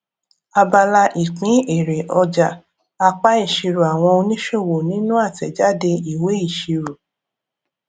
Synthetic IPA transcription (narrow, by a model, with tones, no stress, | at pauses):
a˧ba˧la˧ʔi˨k͡pĩ˨˦e˨ɾe˨ʔɔ˧d͡ʒa˨ | a˧k͡pa˦i˦˨ʃi˧ɾu˨a˨w̃ɔ̃˧o˧nĩ˦ʃo˦˨wo˨nĩ˨˦nũ˦a˦˨tɛ˨d͡ʒa˨˦de˧i˨we˨˦i˦˨ʃi˧ɾu˨